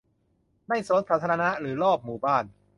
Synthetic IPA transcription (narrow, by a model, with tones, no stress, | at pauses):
da˥˩jso˨˩˦nsʰaː˨˩t̪ʰːɾa˧na˦˥ɾɯː˩˦lɔː˥˩p̚muː˨˩˦baː˥˩n